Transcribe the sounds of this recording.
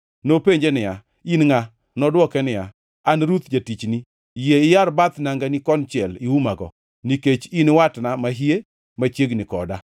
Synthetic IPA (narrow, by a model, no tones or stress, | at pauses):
nopeɲd͡ʒenɪja | inŋa | nɔdwɔkɛnɪja̰ | anɾut̪d͡ʒatit͡ʃni | jeɪjaɾbat̪naŋɡanikɔnt͡ʃɪɛliumaɡɔ̰ | niket͡ʃinwatnamaɦije | mat͡ʃjeɡnɪkɔ̰da